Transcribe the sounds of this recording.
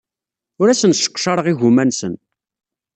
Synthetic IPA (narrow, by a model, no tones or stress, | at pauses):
ʊɾæsənʃə̥qːʃɑɾˤəʁiʝumænsən